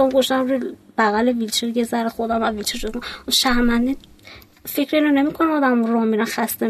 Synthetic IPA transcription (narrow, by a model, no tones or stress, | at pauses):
ɔmɡoʃt̪æmɾub̥æɣælevilt͡ʃʰeɾɡezæɾexod̪æmævilt͡ʃʰeɾʃokounʃæɾmænd̪in | fecɾeinonemikʰonæɒːd̪æmoɾɒːmiɾænxæst̪e